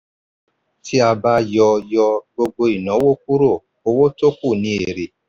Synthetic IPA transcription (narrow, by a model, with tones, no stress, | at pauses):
ti˦a˧ba˧jɔ˧jɔ˧ɡ͡bo˧ɡ͡bo˧i˨nã˨˦wo˦k̚u˦ɾo˦˨ | o˧wo˦to˦ku˦˨nĩ˨˦e˨ɾe˨